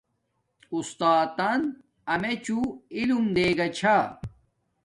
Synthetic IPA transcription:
ust̪aːt̪ɐn | ɐmet͡ɕuilumd̪eːɡɐt͡ɕʰa

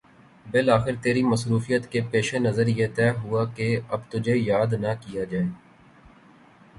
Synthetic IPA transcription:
bɪlaːxɪɾt̪eːɾimɐsɾuːfijət̪kepeːʃenɐzəɾjet̪ɛːɦʊakeɐbt̪ʊd͡ʒʱejaːd̪nɐkijad͡ʒaːeː

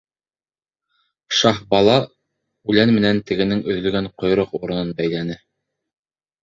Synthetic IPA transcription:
ʃɑhbɑlˠɑ | ʉlænmɘ̆nænt̪ɘ̆ɡɘ̆nɘŋɵ̆ðlɵ̆ɡæɴqŏjɾoquɾɤ̆nɤnbæjlænɘ

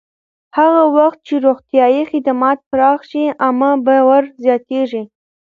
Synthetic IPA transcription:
haɣawaxt̪̚t͡ʃeɾoɣt̪jɑjixɪd̪amɑt̪̚pəɾɑxʃiʔamabawaɾzjɑt̪eʐi

